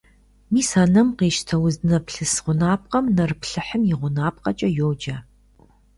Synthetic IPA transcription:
miːsaːnɐmqeːʃtʰɐwʊzɨnɐpɬɨsʁʷʊnaːp̚qʼɐmnɐrɨpɬɨħəmjɪʁʷʊnaːp̚qʼɐt͡ʃʼɐjoːd͡ʒɐ

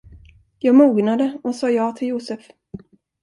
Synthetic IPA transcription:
jɑːɡmuːɡnad̪əɔsɑːjɑːɡt̪ʰɪljuːsəf

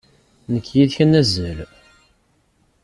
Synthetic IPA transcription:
nəkʰːjiðçənːæzːəl

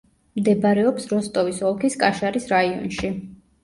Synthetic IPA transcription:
md̪ɛbaɾɛɔpsɾɔst̪ʼɔvisɔlˠkʰiskʼaʃaɾisɾaiɔ̰nʃi

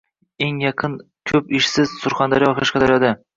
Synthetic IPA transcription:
eŋjɑqʰɨn | kʲʰɵpɪʃsɪz̥sʊɾχand̪aɾijɒχaʃkʲad̪aɾjɒd̪a

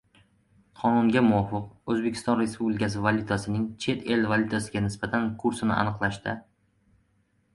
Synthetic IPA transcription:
qʰɒnʊŋɡʲamʊwɒfɨqɵzbekʲʰɪ̥st̪ɒnɾe̞spublʲɪkʲas̬ɪvalʲut̪ʰasɪnɪŋt͡ʃʰe̞t̪ʰe̞lvalʲˠut̪ʰasɪɡʲanɪsbat̪ʰankʰʊɾsɪnɪ̰ʔa̰nɨqlˠaʃt̪ɪ

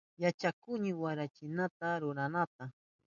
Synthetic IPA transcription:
jat͡ʃakʊɲɪwaɾat͡ʃɪnat̪aɾʊɾanat̪a

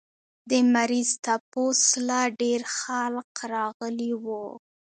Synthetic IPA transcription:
d̪əmaɾizt̪aposlaɖeɾxalqɾɑɣəliwu

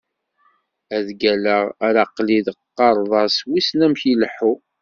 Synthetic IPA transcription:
æðɡæləʁɾɑqliðəqːɑɾˤðˤɑswisnæmçiləħːu

